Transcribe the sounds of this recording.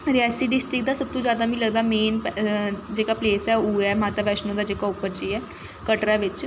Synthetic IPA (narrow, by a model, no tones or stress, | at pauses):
ɾɪɛːsiːɖɪsʈɾɪk̚d̪aːsəb̚t̪õːd͡ʒjaːd̪aːʋĩːləɡ̚d̪aːmeːn | d͡ʒeːkaːpleːsɛːuːɛːmaːt̪aːʋɛːʃnõːd̪aːd͡ʒeːkaːʊpəɾd͡ʒiːɛː | kəʈɾaːʋɪt͡ʃ